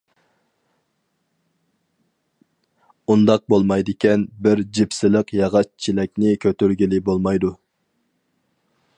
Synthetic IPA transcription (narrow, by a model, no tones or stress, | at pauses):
und̪ɑq̚bolˠmɑjd̪ɪkʲʰɛnbɪɾd͡ʒipsɪləqjɑʁɑt͡ʃt͡ʃʰilɛk̚ʲnɪkʲʰøt̪yɾɡʲilɪbolˠmɑjd̪u